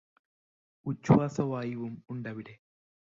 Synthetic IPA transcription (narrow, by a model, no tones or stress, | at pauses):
ʊt͡ʃːuwaːsɐwaːjɪʋʊmʊɳɖɐʋɪɽe